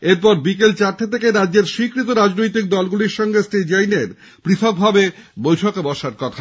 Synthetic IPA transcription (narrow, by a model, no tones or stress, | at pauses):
eɾpɔɾbikelt͡ɕaɾʈ̪ʰet̪ʰekeɾadːd͡ʑeɾʃikɾit̪̬oɾad͡ʑnojt̪ik̚d̪ɔlɡuliɾʃɔŋɡesʈed͡ʑajneɾ | pɾit̪ʰok̚bʱabebojʈʰokebɔʃaɾkɔt̪ʰa